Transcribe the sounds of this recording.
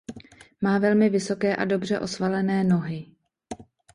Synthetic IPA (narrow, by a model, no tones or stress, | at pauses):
maːvɛlmɪvɪso̞kɛːʔado̞br̝ɛʔo̞svalɛnɛːno̞ɦɪ